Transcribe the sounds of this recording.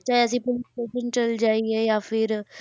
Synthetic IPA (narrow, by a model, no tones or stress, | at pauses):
t͡ʃaːeəs̬ĩpʊlɪsʈeːʃənt͡ʃɐld͡ʒaːiejaːfʰɪɾ